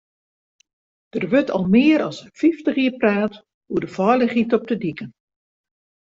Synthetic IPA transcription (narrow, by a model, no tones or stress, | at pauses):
d̥ərʋøtʰɔ̰lˠmɪəɾɔsfiftəχiərpraːt | huədəfɔjləχitɔp̚tədikən